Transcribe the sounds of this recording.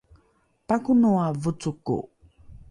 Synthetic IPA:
pakunuavut͡sukṵ

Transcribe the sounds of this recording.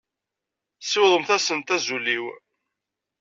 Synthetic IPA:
sɪwðˤəmθæsənt̪æzulːiw

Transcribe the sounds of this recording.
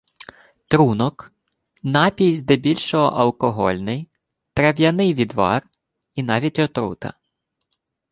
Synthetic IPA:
t̪ɾunɔk | nɑpʲijzʲd̪ɛbʲilʲʃɔɦɔ̰ʔɐlˠkɔɦɔ̰lʲnɪj | t̪ɾɐʋʲjɐnɪjʋʲid̪ʋɑ̰r | inɑʋʲitʲɔt̪ɾṵt̪ɐ̰

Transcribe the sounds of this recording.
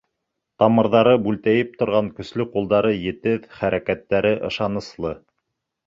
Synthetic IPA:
t̪ɑmɤ̆ɾðɑɾɤbʉlt̪æjɘp̚t̪ŏɾʁɑŋkɵ̆slɵqulˠd̪ɑɾɤjɘ̆t̪ɘðχæɾækæt̪ːæɾɘʔɤ̆ʃɑnɤ̆slˠɤ

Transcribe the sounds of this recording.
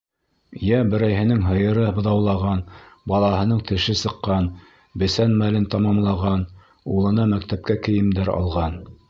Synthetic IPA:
jæbɘ̆ɾæjɦɘ̆nɘŋɦɤ̆jɤ̆ɾɤbɤ̆ðɑwlˠɑʁɑnbɑlˠɑhɤ̆nɤɴt̪ɘ̆ʃɘsɤ̆qːɑn | bɘ̆sænmælɘnt̪ɑmɑmlˠɑʁɑn | ulˠɤ̆nɑmæk̚t̪æp̚kækɘ̆jɘ̆md̪æɾɑ̰lˠʁɑn

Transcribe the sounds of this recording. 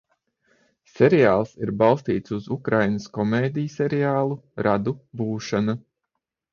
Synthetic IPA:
sɛɾiaːlˠsiɾbɑlˠst̪iːt̪suzukɾajnəskɔmeːd̪ijseɾiaːlˠuɾʔad̪ubuːʃana

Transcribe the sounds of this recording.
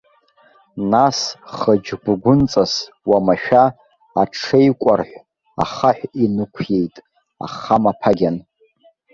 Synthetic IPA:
nasχəd͡ʒɡʷɡʷʊnt͡sʼas | wamaʃᶣaː | ʈ͡ʂʰejkʷʼarħʷ | a̰χaħʷᶣinɨkʷʰje̞jtʼ | a̰χamapʰaɡʲan

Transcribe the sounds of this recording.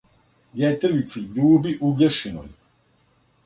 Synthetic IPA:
djet̪ɾʋit̪sid̪uːbiʔuɡeʃino̰j

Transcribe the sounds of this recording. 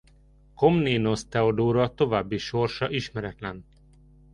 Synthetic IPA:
ko̞mneːnost̪ɛod̪oːɾɒt̪o̞vaːbːiʃo̞rʃɒʔiʃmɛɾɛt̪lɛn

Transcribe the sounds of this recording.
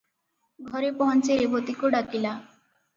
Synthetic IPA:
ɡʱɔɾepɔɦɔnt͡ʃeɾebot̪ikuɖakila

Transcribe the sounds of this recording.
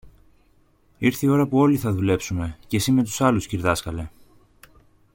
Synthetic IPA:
iɾθio̞ɾɐpuo̞liθɐðule̞psume̞ce̞sime̞t̪̬u̥sɐlusciɾðɐskɐle̞

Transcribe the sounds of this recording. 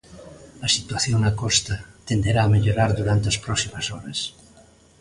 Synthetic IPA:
ɐsit̪waθjoŋakɔst̪at̪end̪eɾaːmeʎoɾaɾðuɾant̪easpɾɔsimasɔɾɐ̰s

